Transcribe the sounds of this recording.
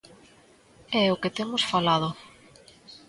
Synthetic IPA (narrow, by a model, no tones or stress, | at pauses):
ɛʊkɪt̪emʊsfalaðʊ